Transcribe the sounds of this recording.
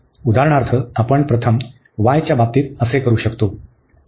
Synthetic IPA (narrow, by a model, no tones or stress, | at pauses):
ud̪ʱaɦəɳ̃aɾt̪ʰəapəɳpɾət̪ʰəm | ʋajt͡ɕjabap̚t̪iːt̪̚əsekəɾuːɕəkt̪o